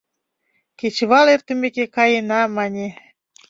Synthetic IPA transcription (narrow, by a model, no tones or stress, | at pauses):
kʲet͡ɕβɑlert̪ə̆mʲekekɑjənɑmɑnʲe